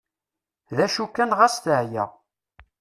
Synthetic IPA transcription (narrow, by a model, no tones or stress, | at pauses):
ðæʃukːænʁæsθəʕjæ̰